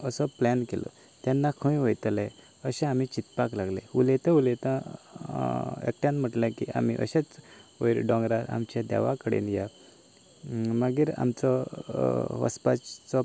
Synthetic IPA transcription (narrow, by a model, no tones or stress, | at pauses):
əsɔplɛnkelɔ̰ | t̪janːakʰəĩʋəjt̪lẽ | əɕẽam̤it͡ɕit̪paklaɡlẽulet̪ẽulet̪ã | ḛk̚ʈjanm̤əʈlẽkia̰m̤iʔə̰ɕet͡səjɾɖɔ̃ŋɡɾaɾa̰mt͡ɕjad̪a̰ʋakəɽḛnja | məɡiːɾa̰mt͡sɔ | ʋə̰spat͡sɔ